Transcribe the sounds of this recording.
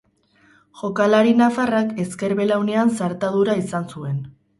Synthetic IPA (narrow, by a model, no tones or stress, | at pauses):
ʝo̞kalaɾinafarake̞ske̞ɾβe̞lawne̞ansaɾt̪aðuɾaisansue̞n